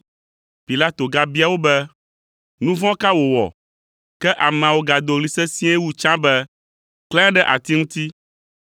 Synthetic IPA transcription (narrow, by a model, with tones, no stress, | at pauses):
pi˨la˦t̪o˨ɡa˨bi˦a˨wo˦bɛ˦ | nũ˦vɔ̃˦ka˦wo˨wɔ̰˨ | kɛ˦ʔa˨mɛ̃˨a˨wo˦ɡa˨d̪o˨ɣli˨sɛ˦sĩ˦ɛ˦wu˦t͡ʃã˦bɛ˦ | klɛ̃˦a˦ɖɛ˦ʔa˨t̪i˦ŋũ˦t̪i˦